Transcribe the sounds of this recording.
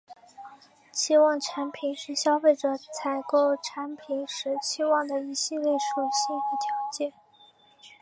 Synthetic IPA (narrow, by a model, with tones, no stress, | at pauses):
ɕi˥wɑ˥˩ŋʈ͡ʂʰa˧˥npʰi˨˩nʂɻ̩˥˩ɕjɑ˥ʊfe˥˩ɪʈ͡ʂɤ˨˩˦t͡sʰa˧˥˩ɪko˥˩ʊʈ͡ʂʰa˧˥npʰi˨˩nʂɻ̩˧˥ɕi˥wɑ˥˩ŋd̪ə˩i˧˥ɕi˥˧ljɛ˥˩ʂu˨˩ɕi˥˩xə˧˥t̪ʰjɑ˧˥ʊt͡ɕjɛ˥˩n